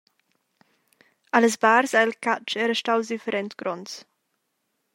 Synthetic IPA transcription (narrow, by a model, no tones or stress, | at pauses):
ʔaləsbaːɾsaɪlkat͡ʃɛːɾəʃtawsdifəɾɛntɡ̥ɾɔns